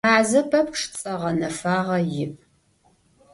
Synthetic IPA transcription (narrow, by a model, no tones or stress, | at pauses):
aːzɐpʰɐp̚ʂt͡sʼɐʁɐnɐfaːʁɐjɪʔʼ